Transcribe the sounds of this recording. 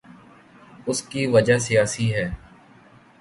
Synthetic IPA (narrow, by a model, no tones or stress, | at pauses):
ʊskiːʋəd͡ʒaːsijaːsiːɦɛː